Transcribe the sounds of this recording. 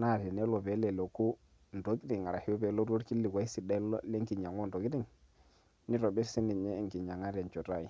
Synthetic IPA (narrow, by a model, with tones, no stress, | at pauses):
na˦˨te˨ne˦lo˨pe˨˦le˨lo˨ku˦ | n̩˨to˨˦ki˦di˨ŋa˨ɾa˨hi˦jo˦be˨˦lo˦ɾo˦ɾki˦li˨ka˦i˦si˨da˦lo˦le˦ŋki˨ɲa˨ŋo˦nto˨ki˦di˦˨ŋ | ni˦ɾo˨be˦si˦ni˨ɲe˦ŋki˨ɲa˨ŋa˦ɾe˨nt͡ʃo˨ta˦˨i˨